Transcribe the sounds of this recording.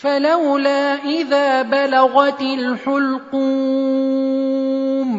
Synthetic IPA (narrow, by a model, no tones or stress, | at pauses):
falawlaːʔɪðaːbalaɣat̪ɪlħʊlquː | m